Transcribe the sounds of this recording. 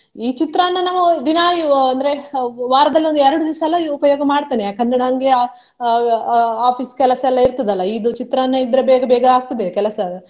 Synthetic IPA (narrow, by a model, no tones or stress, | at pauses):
iːt͡ʃit̪ɾɐnːɐnaːʋɐd̪inaːjuɐnd̪ɐɾe̞ʋaːɾɐd̪ɐlːiond̪uɛɾɐɽud̪isɐɛlːɐiupɐjoːɡɐmaːɽt̪aːniakɐnːɐɽaŋɡea | aːpiːskɛlɐsɐɛlːɐiɾt̪ɐd̪ɐlːɐiːd̪ut͡ʃit̪ɾɐɐnːɐid̪ɐɾebɛːɡɐbɛːɡɐaːɡ̚t̪ɐd̪ekɛlɐsɐ